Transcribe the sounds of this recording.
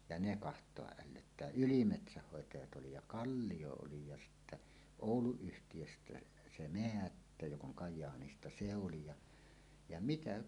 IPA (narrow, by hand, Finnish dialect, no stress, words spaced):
jɑ ne kɑhtˑoɑʔ ʔælːøtːæː ylimetsæhːoˑetɑjɑt oli jɑ kɑlːij̆o oli jɑ sitːæ oˑuluyhtijøstæ se meætːæ jok oŋ kɑjˑɑːnistɑ se oli jɑ jɑ mitæ